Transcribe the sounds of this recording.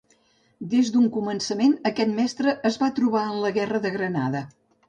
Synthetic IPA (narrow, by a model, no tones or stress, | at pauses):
d̪ezd̪uŋkumənsəmenəkɛt̪mɛst̪ɾəʔːzβat̪ɾuβ̞aənləɣɛrəðəɣɾəna̰ðə